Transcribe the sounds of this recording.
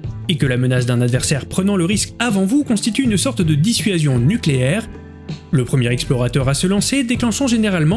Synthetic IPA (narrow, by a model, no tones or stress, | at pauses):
ekəlamənasd̪ɛ̃nad̪vɛʁsɛʁpχənɑ̃ləʁiskavɑ̃vukɔ̃st̪it̪yːnsɔʁt̪d̪əd̪isɥazjɔ̃nykleɛʁ | ləpχəmjɛʁɛksplɔʁat̪œʁasəlɑ̃sed̪eklɑ̃ʃɔ̃ʒeneʁalmɑ̃